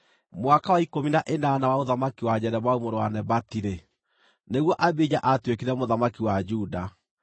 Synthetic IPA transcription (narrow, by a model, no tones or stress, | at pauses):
mowakawaikominaʔenanawaoðamakiwad͡ʑɛɾɛβwaumoɾowa̰nɛbatiɾe | neɣwɔʔabed͡ʑaʔatwekeɾɛmoðamakiwad͡ʒuda